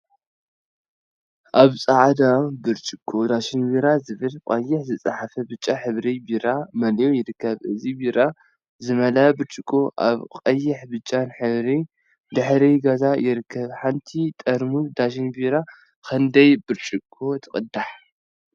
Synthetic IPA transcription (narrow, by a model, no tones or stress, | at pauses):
ʔaβsʼaʕd̪abɨɾt͡ʃʼɪkʼːod̪aʃɪnbiɾazɨβɨlkʼɐjːɪħzɨt͡sʼaħafɐbɨt͡ʃʼːaħɨβɾibiɾamɐljojɪɾɨkʰːɐβʔɨzibiɾa | zɨmɐlabɨɾt͡ʃʼɪkʼoʔa̰βqʼɐjːɪħbɨt͡ʃʼːanħɨβɾi | d̪ɨħɾiɡɐzajɪɾɨkʰːɐβħant̪ʰit̪ʼɐɾmud̪aʃ̬inbiɾa | kʰɐnd̪ɐjbɨɾt͡ʃʼɪkʼʰːot̪ʰɨkʼɨd̪aħ